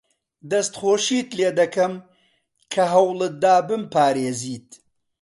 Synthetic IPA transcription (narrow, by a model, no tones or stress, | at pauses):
d̪ɐst̪χoːʃiːt̪leːd̪ɐkɐm | kʰɐɦɐwlɨd̪aːbɨmpaːɾeːziːt̪̚